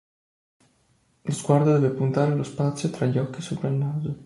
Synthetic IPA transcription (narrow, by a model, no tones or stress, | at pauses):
lozɡward̪od̪ɛːvepunt̪aːɾelospat̪sːjot̪ɾaʎːiɔk̟ːisoːpɾailnaːzo